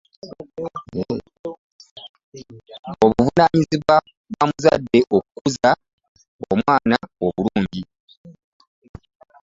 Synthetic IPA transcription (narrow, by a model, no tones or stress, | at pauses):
je | oβuvunaɲiziβwa | βamuza̰dːe̞ʔokukuza | o̰mwaːnaoβuluːɲɟi